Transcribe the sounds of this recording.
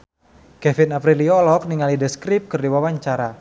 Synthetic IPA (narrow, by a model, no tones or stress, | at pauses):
kɛfɪnapɾiliɔlɔk̚niŋalidəskɾɪp̚kɨrdiwawaɲt͡ʃaɾa